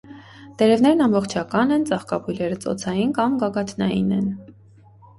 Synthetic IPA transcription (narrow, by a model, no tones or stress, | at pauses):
d̪̥ɛɾɛvn̪ɛɾnɑmbɔχt͡ʃʰɑkɑnɛnt͡sɑχkɑpʰujlɛɾət͡sɔ̰t͡sʰɑjinkɑmɡɑɡɑt̪ʰnɑjḭnɛn